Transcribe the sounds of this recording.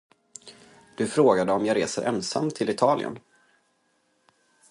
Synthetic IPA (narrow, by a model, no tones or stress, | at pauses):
d̪̥ɵfɾoːɡad̪əɔmjɑɾeːsəɾʔɛnsa̰mːt̪ʰɪlɪt̪ʰɑːlɪ̰ʔə̰n